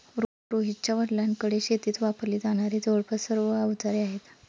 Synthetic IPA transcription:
ɾo | ɾoɦit͡ɕjaʋəɽljaŋkəɽeɕet̪iːt̪ʋapəɾliːd͡zaɽ̃aɾiːd͡zoɭpʰəsəɾʋəaut̪aɾeaɦet̪

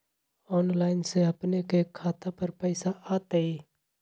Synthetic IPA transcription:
ɔːnlaːɪnseəpnekekʰːaːt̪apəɾpəɪsaʔaːt̪eiː

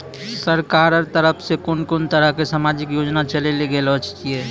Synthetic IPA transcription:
səɾkaːɾəɾt̪əɾəpʰsekʊnkʊnt̪əɾəɦkesaːmaːd͡ʒɪkjoːd͡ʒnat͡ʃəleleɡəelɔːt͡ʃt͡ʃie

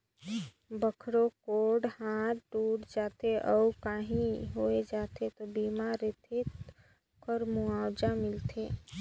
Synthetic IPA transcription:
bəkʰɾokoɖhaɾɖuɽd͡ʒat̪eʔəukaɦĩɦoed͡ʒat̪et̪ɔbimaɾet̪ʰe | kʰəɾmuawd͡ʒamɪlt̪ʰe

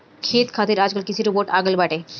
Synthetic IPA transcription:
kʰet̪kʰat̪iɾad͡ʑɡəlkit͡ʃʰiɾuboʈaɡəlbaʈe

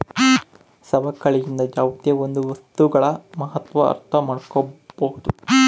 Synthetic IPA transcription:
sɐbɐkːɐɭijind̪ɐd͡ʒaːʋt̪jɐond̪uʋɐst̪uɡɐɭɐmɐɦɐt̪ʋɐ̰ːɾt̪ʰɐmaːɽkobɐhud̪u

